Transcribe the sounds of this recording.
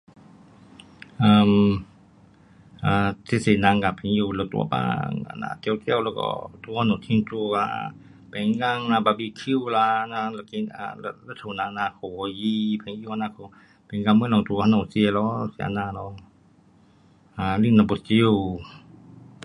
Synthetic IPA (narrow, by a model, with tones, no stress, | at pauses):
ʔa˧m | ʔaː˧te˧˨se˧˨na˧˨ŋka˨pʰɛ˨˦ŋju˧lɛ˧˩t̪ṵ˧a̰˨ba̰ː˧ŋa̰˧˨na̰˧t̪ɛ˧˨wkɛ˧˨wlɔ˧kɔ̰˧˨t̪u˧˦ha˧nɔ˧˨t̪ʰi˧˨ŋtu˧ka̰˧˨ | pʰɛ˨˦ŋla˧˨ŋna˧ba˧˨bi˧kʰi˧˨wla˧na˧lki˧a̰˧lɛ˧˨t̪ʰu˨na˧˨˧na˧˨kʰɔ˨ɔ˧ji˧pʰɛ˨ŋi˧wa˧naː˧kʰɔ˧˨ | pʰɛ˨˦ŋka˧˨mɨ˧˦˨nɔ˨t̪u˧˨˧ha˧nɔ˧˨si˧ə˧˨lɔ˧˦sḭ˧˨ʔa̰˧˨naː˧˨lɔ˧ | a˧˨li˧˨na˧bɔ˧˨t͡ɕi˧w